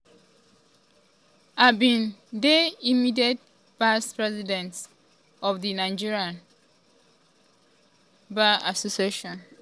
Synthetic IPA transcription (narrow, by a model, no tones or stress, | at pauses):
abĩndeimidiɛt̚ | vaspɹɛzidɛ̃nt | ɔfdinãɪd͡ʒiɹiãn | baasosieʃɔ̃n